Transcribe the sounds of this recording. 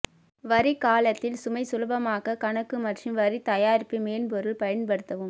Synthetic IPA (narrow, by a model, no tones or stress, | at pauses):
ʋɐɾikaːlɐt̪ːɪlsʊmɐɪsʊlɐbɐmaːɣɐkɐɳɐkːɯmɐʈrɯmʋɐɾit̪ɐjaːɾpːimeːnpɔɾɯɭpɐjɐnpɐɽɯt̪ːɐʋɯm